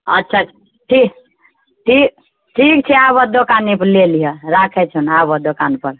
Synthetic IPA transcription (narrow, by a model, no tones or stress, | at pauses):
ətːt͡ʃʰa | ʈʰik | ʈʰik | ʈʰikt͡ʃʰɛabəd̪okaniplelijeɾakʰɛt͡ʃʰunabəd̪okanpəɾ